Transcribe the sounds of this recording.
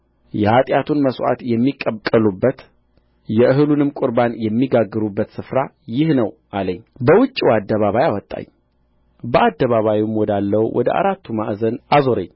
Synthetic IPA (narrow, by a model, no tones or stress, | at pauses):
jɛhat̪ʼjat̪ʰunməswa̰t̪jɛmːikʼːəkʼəlubːət̪ | jɛʔɨɦɨlunɨmkʼuɾbanjɛmːiɡaɡːɨɾubːət̪sɨfɾa | jɪhnəwʔaləɲːbəwʊt͡ʃʼːiwad̪ːəβaβajawɔt̪ʼːa̰ɲ | bəʔad̪ːəβaβajumwɔd̪alːəwwʔɔ̰d̪əʔa̰ɾat̪ːumaʔzənazoɾəɲː